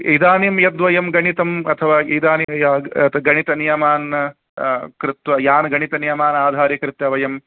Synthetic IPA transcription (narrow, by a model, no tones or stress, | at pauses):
id̪aːnimjɐd̪ʋɐjɐmɡɐɳit̪ɐmɐt̪ʰɐʋaːid̪aːnit̪ɡɐɳit̪ɐnijɐmaːn | kɾɪt̪ʋɐjaːnɡɐɳit̪ɐnijɐmaːnaːd̪ʱaːɾjɐkɾɪt̪jɐʋɐjɐm